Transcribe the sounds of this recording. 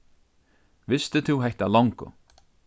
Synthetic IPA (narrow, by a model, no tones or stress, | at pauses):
vɪst̪ɪt̪ʰɪwɦɛht̪alɔwŋkʊ̰